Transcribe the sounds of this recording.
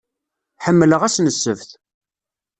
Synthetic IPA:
ħəmːləʁæsnəsːəvθ

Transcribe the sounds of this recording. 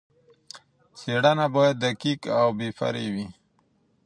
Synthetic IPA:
seɽanabojad̪ːəkikawbefa̰ɾewi

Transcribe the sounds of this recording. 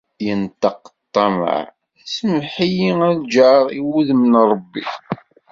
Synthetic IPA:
jənt̪ɑqːt̪ˤːɑmə̰ʕ | səmħijiŋænd͡ʒaʕʁiwuðmnɾˤəbːi

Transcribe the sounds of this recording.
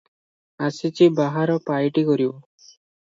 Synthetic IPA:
asit͡ʃibaɦaɾɔpajʈikɔɾio

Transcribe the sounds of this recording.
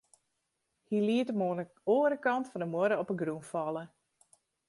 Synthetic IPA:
hiliətəmoːnə | oːəɾəkɑntfɔndəmoɾəɔpəɡrunfɑlə

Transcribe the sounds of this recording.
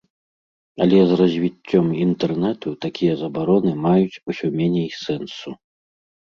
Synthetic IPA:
ɐlʲɛzrɐzʲvʲit͡sʲːɔmint̪ɛrnɛt̪ut̪akʲijɐzɐbaɾɔnɨmajut͡sʲusʲɔmʲɛnʲejsɛnsu

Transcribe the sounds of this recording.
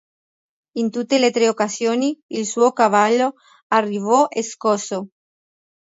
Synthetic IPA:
int̪ut̪ːelet̪ɾeokasjoːniilsuːokavalːo | arːivɔʔeskɔso

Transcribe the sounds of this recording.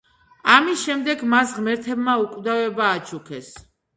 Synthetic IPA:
amisʃɛmd̪ɛɡmasʁmɛɾt̪ʰɛbmaukʼvd̪avɛbaːt͡ʃʰukʰɛs

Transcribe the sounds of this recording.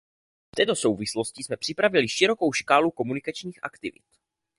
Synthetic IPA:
ft̪ɛːt̪o̞so̞wvɪslo̞scɪsmɛpr̥ɪpɾavɪlɪʃɪɾo̞ko̞wʃkaːluko̞munɪkat͡ʃɲiːxʔa̰kt̪ɪvɪ̰t̪

